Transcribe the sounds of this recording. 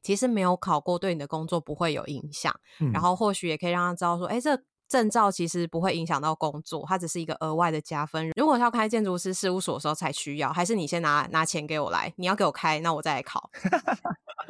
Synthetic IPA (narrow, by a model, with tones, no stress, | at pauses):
t͡ɕʰi˧˥ʂɻ̩˧˥me˧˥ɪjo˧˥ʊkʰɑ˨˩ʊkwɔ˥˧t̪we˥˩ɪni˨d̪ə˩ko˥ŋt͡swɔ˥˨˩pu˧˦xwe˥˩ɪjo̰˨˩ʊḭ˧˦˥ŋɕjɑ̰˨˩ŋɻa˧˥nxo˥˧ʊxwɔ˥˩ɕy˨˦jɛ˨˩kʰɤ˥i˨˩ɻɑ˥˨˩a˥ʈ͡ʂɻ̩˥ɑ˥˧ʊswɔ̰˥ʔe˥˧ʈ͡ʂɤ˥˩ | ʈ͡ʂə˥˧nʈ͡ʂɑ˥˩ʊt͡ɕʰi˧˥ʂɻ̩˧˦pu˧˥xwe˥˩ɪi˧˥ŋɕ̬jɑ˨˩ŋt̪ɑ˥˩ʊko˦˥ŋt͡swɔ̰˥˨t̪ʰa˥t͡sɻ̩˨˩ʂ̩˥˩i˧˥ɡə̰˧ʔə˧˥wa˥˩ɪd̪ə˩t͡ɕja˦fə˦nɻu˧˥kwɔ˨˩jkʰa˥˧t͡ɕjɛ˥˧nʈ͡ʂu˧˥sʰɻ̩˥˧ʂɻ̩˥˧u˥˧˩swɔ˨d̪ə˩ʂ̩˧xo˥˧t͡sʰa˧˥ɪɕy˥jɑ˥˩ʊxa˧˥ɪʂ̬ɻ̩˥˩ni˨˩jɛ˦˥na˧˥na˧˥t͡ɕʰjɛ˧˥nke˧˥ɪwɔ̰˨˩la̰˧˦ɪni˨˩jke˥ɪwɔ˨˩kʰa˦˥ɪna˥˩wɔ˨˩t͡sa˥˩ɪa˧˥ɪkʰɑ̰˨˩˦ʊ